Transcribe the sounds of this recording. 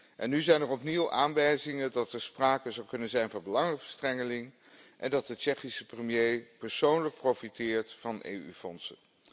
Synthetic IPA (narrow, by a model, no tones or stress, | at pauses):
ʔɛnːyzɛjnərɔpniwʔa̰ːnʋɛjzɪŋəndɑtəɹspraːkəzɑwkɵnənzɛjnvɑnbəlɑŋəvəstrɛŋəlɪŋ | ʔɛndɑt̚dət͡ʃɛχisəprəmjejpəɹsownlək̚prowfitɪːɹtfɑnḛjyfɔnsə̰n